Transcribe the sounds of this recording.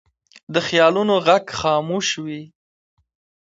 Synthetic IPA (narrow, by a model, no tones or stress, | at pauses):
d̪əxjɑlunoɣaɡxɑmuʃwi